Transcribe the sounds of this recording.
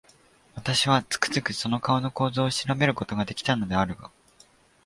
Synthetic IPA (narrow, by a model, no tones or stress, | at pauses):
βat̪aɕiβ̞at͡sɨ̥kɯ̟̥zɨkɯ̟so̞no̞kao̞no̞ko̞ːzo̞ːɕiɾame̞ɾɯ̟ko̞t̪o̞ɡad̪e̞kʲi̥t̪ano̞d̪e̞aɾɯ̟ɡa